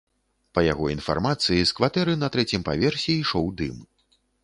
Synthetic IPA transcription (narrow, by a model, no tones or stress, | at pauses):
pɐja̰ɣɔinfa̰rmat̪sɨjiskvat̪ɛɾɨnɐt̪ɾɛt͡sʲimpa̰vʲɛrsʲɛiʂɔwd̪ɨm